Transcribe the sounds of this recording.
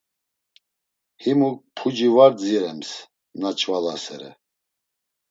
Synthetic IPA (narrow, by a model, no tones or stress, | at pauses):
himuk̚pʰud͡ʒivaɾd͡ziɾɛms | nat͡ʃʰvalasɛ̰ɾɛ̰